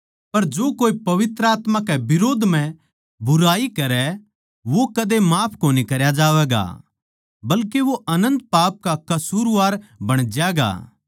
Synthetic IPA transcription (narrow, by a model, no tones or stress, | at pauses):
pɐɾd͡ʒoːkoːipɐʋɪt̪ɾəaːt̪mãkɛbɪɾoːd̪ʱm̤ɛ̃ | bʊɾaːikɐɾɛ | ʋokɐd̪emaːpʰkoːnikɐɾjad͡ʒaːʋɛːɡa̰ | bɐlkeʋoʔɐnə̃nt̪̚paːp̚kakɐsuːɾʋaːɾbɐɽ̃d͡ʒjɛːɡa̰ː